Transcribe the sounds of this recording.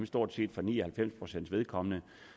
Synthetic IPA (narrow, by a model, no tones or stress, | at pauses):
msd̥o̝ɐ̰d̥se̝̰ːd̥fɒ̽nḭːɒhælfem̰spʰʁo̝sen̰dsʋe̝ð̞ˠkʰɒ̽mənə